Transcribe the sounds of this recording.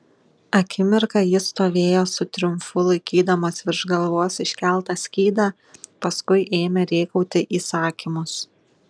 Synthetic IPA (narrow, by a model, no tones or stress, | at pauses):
ɐkʲɪmʲɪɾkɐjɪst̪oːʋʲeːjoːsʊt̪ʲɾʲʊmfʊlˠɐɪkʲiːd̪ɐmoːsʋʲɪɾʒɡɐlˠʋuɔsɪʃʲkʲælˠˑt̪ɑsʲkʲiːd̪ɑː | pɐskʊɪʔeːmʲɛɾʲeːkɐʊt̪ʲɪʔiːsɑːkʲimʊs